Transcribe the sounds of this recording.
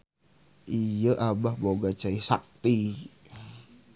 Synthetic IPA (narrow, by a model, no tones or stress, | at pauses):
ʔijəʔabahboɡat͡ʃaisa̰k̚t̪i